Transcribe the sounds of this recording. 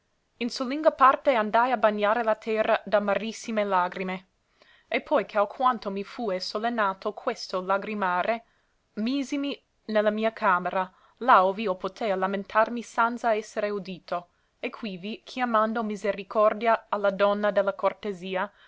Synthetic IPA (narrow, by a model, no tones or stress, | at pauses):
insuliŋɡapart̪eand̪ajabaɲːaːɾelat̪ʰɛrad̪amaɾisːimelaːɡɾime | epʰːɔjkʰeakʰwant̪omifuːesolenːaːt̪ʰokʰwest̪olaɡɾimaːɾʔe | miːzimi | nelːamiːakʰaːmeɾa | laoviːopot̪ʰelamẽnt̪ʰarmisant̪saɛsːeɾeud̪iːt̪o | ekʰwivikʰjamand̪omizeɾikʰɔrd̪jaalːad̪ɔnːad̪elːakort̪eziːa